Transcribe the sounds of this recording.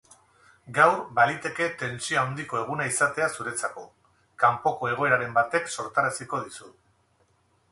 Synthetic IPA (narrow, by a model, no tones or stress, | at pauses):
ɡawrbalit̪e̞ke̞t̪e̞nsioawnd̪iko̞e̞ɣ̞unaisat̪e̞asuɾe̞t͡sako̞ | kampo̞ko̞e̞ɣ̞o̞e̞ɾaɾe̞mbat̪e̞kso̞ɾt̪aɾasiko̞ð̞isu